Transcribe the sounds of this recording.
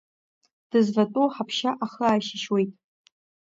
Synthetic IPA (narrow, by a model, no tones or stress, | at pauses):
d̥ɨzvatʼoħapʰʃaʔaχəaːʃɪʃwe̞jtʼ